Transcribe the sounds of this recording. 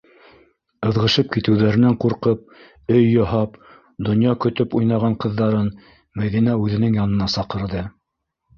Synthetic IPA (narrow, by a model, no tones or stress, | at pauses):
ɤ̆ðʁɤ̆ʃɤp̚kit̪ɘ̆wðæɾɘ̆næɴquɾqɤp̚ | ɵjːoɦɑp | d̪ŏnjɑkɵ̆t̪ɵpujnɑʁɑɴqɤ̆ðːɑɾɤn | mæðin̪æʉðɘ̆nɘŋjɑnɤ̆nɑsɑqɤ̆ɾðɤ